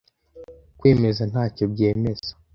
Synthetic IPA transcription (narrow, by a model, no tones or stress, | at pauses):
kweːme̞zan̥haːco̞b̚ɟeːme̞z̥ḁ